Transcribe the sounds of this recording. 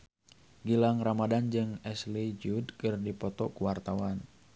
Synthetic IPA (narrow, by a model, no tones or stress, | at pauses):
ɡilaŋramadand͡ʒɨŋɛslid͡ʒudkɨrdipɔt̪ɔkuwart̪awan